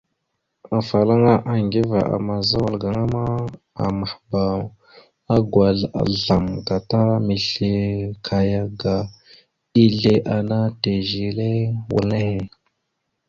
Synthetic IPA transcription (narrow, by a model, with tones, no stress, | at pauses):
a˨fa˨la˦ŋa˦ʔa˨ŋɡi˦va˨ʔa̰˨ma˨za˦wa˨lɡa˨ŋa˦ma˦ | a̰˨ma˨hba˨w | a˦ɡwʷa˨ɮa̰˨ɮa˨mɡa˨ta˦mi˨ɬe˨kʰa˨ja˦ɡa˨ | i˦ɮe˦ʔa˨na˦te˨ʒi˨le˦wṵ˨lne˦he˨